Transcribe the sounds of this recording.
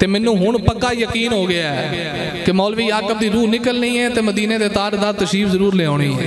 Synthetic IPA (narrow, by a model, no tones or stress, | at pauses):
t̪eːmɛːnːũːɦʊɳpəkːaːjəkiːnɦoːɡɪaːɛː | kemɔːlʋiːjaːkəb̚d̪iːɾuːnɪkəlniːɛːt̪eːməd̪iːneːd̪eːt̪aːɾd̪aːt̪əʃiːpʰzəɾuːɾleːãːɽiːɛ